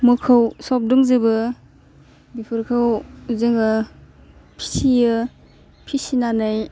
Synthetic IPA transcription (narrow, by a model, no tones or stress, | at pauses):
mukʰɯwsɔp̚dɔŋzɯbɯ | bipʰɯɾkʰɯwzɯŋɯ | pʰi̥sijɯ | pʰisinanaj